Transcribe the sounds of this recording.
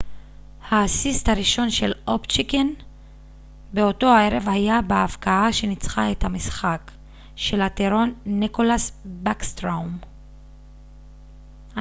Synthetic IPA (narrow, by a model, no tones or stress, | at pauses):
haːsisthaʁiʃo̞nʃe̞lopt͡ʃiken | beo̞to̞haeʁevhajabeafkaaʃe̞nit͡sχaethamisχak | ʃe̞lateʁo̞nːikolasbakstʁowm | a